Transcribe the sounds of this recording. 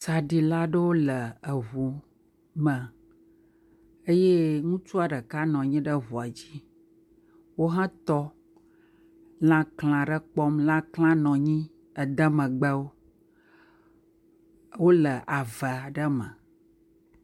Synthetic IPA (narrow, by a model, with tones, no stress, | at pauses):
t͡ʃa˨ɖi˨la˦ɖə˦wo˦lə˨ə˨ɦu˨ | mə̃˨ | e˦je˦ŋũ˦t͡ʃu˦a˨ɖə˨ka˦nɔ̃˨ɲĩ˦ɖə˦ɦu˨a˨d͡ʑi˦ | wo˦ɦã˦t̪ɔ˦ | lã˦kl̃ã˨ɖə˦k͡pɔ˦mlã˦kl̃ã˦nɔ̃˨ɲĩ˦ | ə˨d̪ə˦mə̃˨ɡ͡bə˦wo˦ | wo˦lə˨ʔa˨və˨a˨ɖə˦mə̃˨